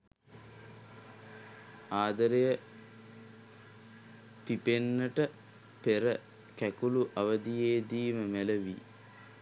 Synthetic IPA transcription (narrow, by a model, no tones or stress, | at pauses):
aːd̪ɐɾejə | pipenːəʈə | peɾə | kækuluʔɐʋɐd̪ijeːd̪iːməmeləʋḭː